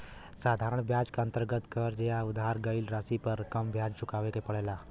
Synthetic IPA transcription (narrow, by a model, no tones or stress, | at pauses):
saːd̪ʱaːɾəɳ̃bʱjaːd͡ʒkaə̃nt̪əɾɡət̪kəɾd͡ʒejaʊd̪ʱaɾɡəɪlɾasipəɾkɐmbʱjaːd͡ʒt͡ʃʊkaːʋekepɐɽeːlaː